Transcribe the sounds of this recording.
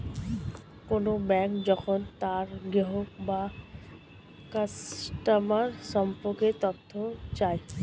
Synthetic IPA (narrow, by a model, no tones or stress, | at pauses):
konobɛŋkd͡ʑɔkʰont̪aɾɡɾeɦoba | kasʈamaɾsɔmpoket̪ɔt̪ʰːot͡ɕae